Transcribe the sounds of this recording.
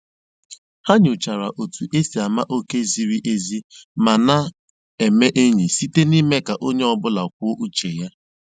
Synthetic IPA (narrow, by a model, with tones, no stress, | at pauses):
ha˦ɲʊ˨t͡ʃa˨ɾa˨ʔo˨tu˨ʔe˦si˨a˨ma˦ʔo˦ke˦zi˨ɾi˦ʔe˦zi˦ma˨na˦ | e˨me˦ʔe˦ɲi˨si˦te˦ni˦me˦ka˨ʔo˦ɲe˦ɔ˦bʊ˦la˨kʷʊ˦o˦ʔu˦t͡ʃe˨ja˦